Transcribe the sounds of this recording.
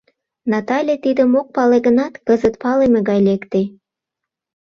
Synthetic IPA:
nɑt̪ɑlʲet̪id̪ə̆mok̚pɑleɣənɑt̪kəzət̪̚pɑlemeɣɑjlekt̪e

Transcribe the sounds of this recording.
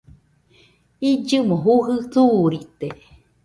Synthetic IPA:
id͡ʒɨmõɦuɦɨθuːɾit̪e

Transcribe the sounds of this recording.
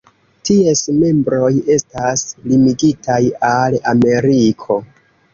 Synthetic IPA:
tie̞sme̞mbɾo̞je̞staslimiɡitʰajalame̞ɾikʰo̞

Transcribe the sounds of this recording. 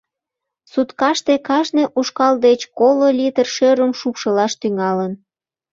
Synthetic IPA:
sut̪kɑʃt̪ekɑʃneʔuʃkɑld̪et͡ɕkololʲit̪ərʃøɾəmʃupʃəlɑʃt̪yŋɑlən

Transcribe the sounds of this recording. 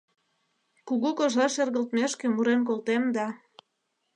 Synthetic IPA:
kuɣukoʒɑʃerɣəlt̪meʃkĕmuɾenk̬olt̪emd̪ɑ

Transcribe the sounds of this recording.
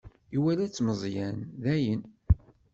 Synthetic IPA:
iwælæt͡sːməzˤjænðæjən

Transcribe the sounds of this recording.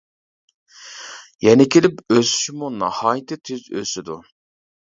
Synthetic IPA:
jɛnɪkʲʰelɪpøsy̥ʃɪmunɑhɑːjɪt̪ʰɪt̪ʰezø̰sɪd̪u

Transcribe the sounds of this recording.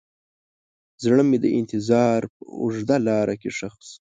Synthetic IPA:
zɳəmed̪əʔɪnt̪ɪzɑːɾpə̰ʊ̰ʐd̪alɑːɾakeʂaxs

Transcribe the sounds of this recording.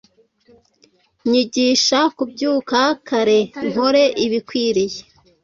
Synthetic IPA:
ɲiɟiːʃakubɟuːkakʰaɾe̞ŋ̥hoɾe̞ʔiβikwiːɾije

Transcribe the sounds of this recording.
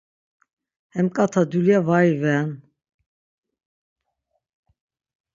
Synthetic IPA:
hɛmkʼat̪ʰad̪uljavaivɛn

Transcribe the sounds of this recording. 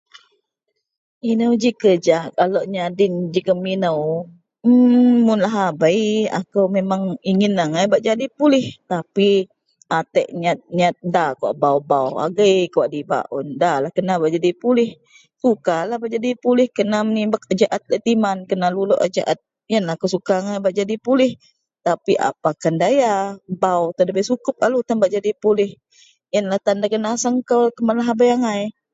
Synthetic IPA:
inəwd͡ʒikəd͡ʒaʔkaloʔɲadɪnd͡ʒikəminəw̩ | mʊnlaɦabəja̰kəwmemaŋiŋɪnaŋajbaʔd͡ʒadipulɪht̪api | at̪ɛʔɲat̪̚ɲat̪̚dakua̰ʔbawbawa̰ɡəjkuwaʔdiba̰ʔʊndalahkənabaʔd͡ʒadipulɪh | sukalahbaʔd͡ʒadipulɪhkənamənibakəd͡ʒaʔat̪̚laʔt̪imankənalulo̰ʔad͡ʒa̰ʔat̪̚ | jənlahkəsukaŋajbaʔd͡ʒadipulɪh | t̪apiʔa̰pakandajabawt̪adabasukʊp̚alut̪anbaʔd͡ʒadipulɪh | jənlaht̪andakənasəŋkəwkəmanlaɦabajaŋaj

